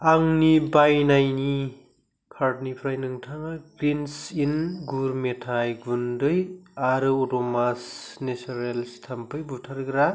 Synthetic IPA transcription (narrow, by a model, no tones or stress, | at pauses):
aŋnibajnajni | kʰaɾdnipʰɾajnɯŋtʰaŋaɡɾinsinɡuɾmetʰajɡundɯjaɾɯotɔmasnesaɾelstʰampʰɯjbutʰaɾɡɾa